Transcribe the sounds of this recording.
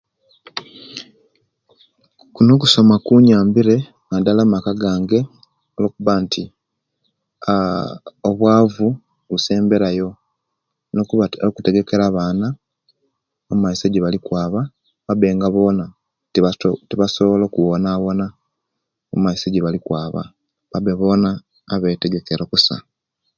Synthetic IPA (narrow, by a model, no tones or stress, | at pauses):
kuno̞k̬uso̞makuɲaːmbiɾe̞ | ŋadalamakaɡaːŋɡe̞ | oloːkuβaːntʰi | oβwaːvu | βuse̞ːmbe̞ɾajo̞ | nokokute̞ɡe̞ke̞ɾaβaːna | omumaiseɟiβalikwaːβa | βabe̞ːŋɡaβo̞ːna | tiβasoβolokuwonaβo̞na | omaiseɟeβalikwaːβa̰ | βabeβo̞ːnaː | βeteɡe̞keɾokusa̰